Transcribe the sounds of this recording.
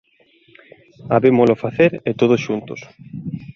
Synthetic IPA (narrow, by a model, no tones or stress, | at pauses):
aβemolofaθeɾet̪oð̞osʃunt̪os